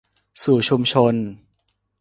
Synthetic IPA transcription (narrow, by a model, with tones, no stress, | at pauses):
suː˨˩t͡ɕʰu˧mt͡ɕʰo˧n